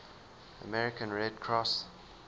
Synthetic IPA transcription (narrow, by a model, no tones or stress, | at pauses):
ə̰mɛɹɪkə̃nɹɛdkʰɹɔs